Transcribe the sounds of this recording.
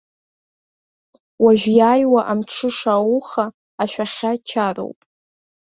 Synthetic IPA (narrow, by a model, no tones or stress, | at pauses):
waʒᶣʷjaːjwaʔamʈ͡ʂʰɨʂawuχaː | ʃᶣaχʲat͡ʃʰaro̰wpʼ